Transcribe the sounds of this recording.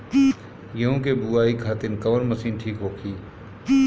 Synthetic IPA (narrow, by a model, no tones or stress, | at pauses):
jɐɦũkebuaːikʰaːt̪ɪnkɐʋənmɐsiːnʈʰiːkɦoːkʰiː